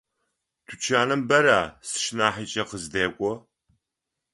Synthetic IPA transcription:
tʰut͡ʃʰaːnɨmbɐɾaːsɨ̥ʃnaːħiːt͡ʃʼɐqəzdeːkʷʼɔ

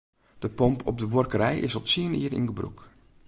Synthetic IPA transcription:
d̥əpɔmpʰɔ̰b̚dəʋorkəɾɛjɪ̰sɔtsiəniːɾḭnɡəbrṵk

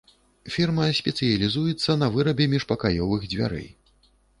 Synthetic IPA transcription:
fʲirmɐsʲpʲɛt̪sɨjɐlʲizujɛt̪sːɐnɐvɨɾɐbʲɛmʲiʂpɐkajɔvɨɣd͡zʲvʲa̰ɾɛ̰j

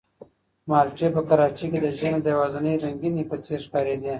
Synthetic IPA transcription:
mɑlʈepəkaɾɑt͡ʃiked̪əʒəned̪əjwɑzanəjɾaŋɡinipət͡seɾʃkɑɾed̪i

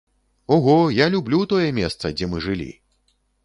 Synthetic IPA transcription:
ɔɣɔjalʲublʲut̪ɔjɛmʲɛst̪sɐd͡zʲɛmɨʐɨlʲḭ

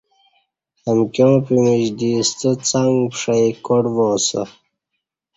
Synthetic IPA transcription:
əmkjõːpimiʑd̪iːst̪ət͡saŋɡpʂɐjkoɖwoːsə̰

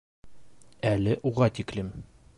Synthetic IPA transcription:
ælɘʔuʁɑt̪iklɘm

